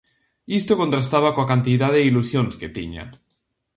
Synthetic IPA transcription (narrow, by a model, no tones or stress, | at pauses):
ist̪oko̞nt̪ɾast̪aβakoakant̪iðaðeilusjonsket̪ḭɲa̰